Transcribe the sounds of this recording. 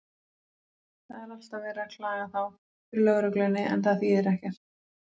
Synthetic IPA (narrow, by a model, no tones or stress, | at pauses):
θaðɛɾal̥t̪avɛːɾakʰlaːɣaθaw | fɪɾlœɣɾʏklɛnːɪʔɛ̰nθaðθiðɛɾɛhcɛɾ̥t̪